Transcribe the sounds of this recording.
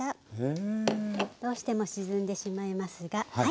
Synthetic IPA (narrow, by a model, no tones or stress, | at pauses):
a | d̪̥o̞ːɕi̥t̪e̞mo̞ɕizɨ̃nd̪e̞ɕimaimasɨɡah